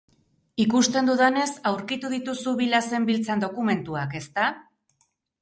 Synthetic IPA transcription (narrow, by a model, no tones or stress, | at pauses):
ikust̪e̞nd̪uðane̞sawɾkit̪uð̞it̪usuβilase̞mbilt͡sand̪o̞kume̞nt̪uake̞st̪a